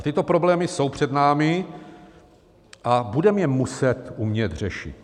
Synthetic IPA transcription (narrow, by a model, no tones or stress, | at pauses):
t̪ɪt̪o̞pɾo̞blɛːmɪso̞wpr̝̥ɛd̪naːmɪ | ʔabudɛmjɛmusɛt̪umɲɛt̪rɛʃɪ̰t̪